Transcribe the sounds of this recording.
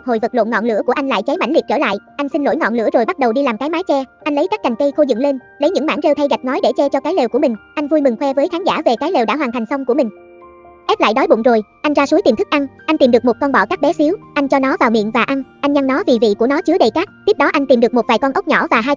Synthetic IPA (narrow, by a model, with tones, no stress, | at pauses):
ho̰˧˨jvə˨˩lo̰˧˨nŋɔ̰˧˨lɨ̰˧˥əku˧˩əʔŋ̟la̰ː˧˨jt͡ɕa˨˦jma̰˧˥˩ŋli˨˩k̚t͡ɕəː˧˩la̰ː˧˨jʔa˧jŋ̟sï˧nlo̰˧˥˩jŋɔ̰˧˨nlɨ̰˧˥əzo˨˩jɓa˦˥t̚ɗə˨˩wɗi˧laː˨˩mkaː˨˦jmaː˨˦jt͡ɕɛ˧ʔa˧jŋ̟lə˨˦jkaː˦˥k̚ːa˨˩ŋ̟kə˧jxo˧zɨ̰˧˨ŋle˧n | lə˨˦jɲɨ̰˧˥ŋma̰ː˧˥˩nze˧wt̪ʰə˧jɣa˨˩k̚ŋɔ˨˦jɗe˧˩t͡ɕɛ˧t͡ɕɔ˧kaː˨˦jle˨˩wku˧˩əmï˨˩ŋ̟ʔa˧jŋ̟vu˧jmɨ˨˩ŋxwɛ˧vəː˨˦jxaː˨˦nza̰ː˧˩ve˨˩kaː˨˦jle˨˩wɗaː˧˥˩ɦwaː˨˩nt̪a˨˩ŋ̟sə˧wŋ͡mku˧˩əmï˨˩ŋ̟ | ʔɛ˦˥p̚la̰ː˧˨jɗɔ˨˦jɓʊ̰˧˨ŋ͡mzo˨˩jʔa˧jŋzaː˧su˨˦jt̪i˨˩mt̪ʰk̚ʔa˧nʔa˧jŋ̟t̪i˨˩mɗɨ˨˩ək̚mo˨˩kɔ˧nɓɔ̰˧˨kaː˦˥k̚ɓɛ˨˦si˨˦əwʔa˧jŋ̟t͡ɕɔ˧nɔ˨˦vaː˨˩wmḭ˧˨ənvaː˨˩ʔa˧nʔa˧jŋ̟ɲa˧ŋnɔ˨˦vi˨˩vḭ˧˨ku˧˩ənɔ˨˦t͡ɕɨ˨˦əɗə˨˩jkaː˦˥k̚t̪i˦˥p̚ɗɔ˨˦ʔa˧jŋ̟t̪i˨˩mɗɨ˨˩ək̚mo˨˩t̚vaː˨˩jkɔ˧nʔə˦˥k͡p̚ɲɔ˧˩vaː˨˩ɦaː˧j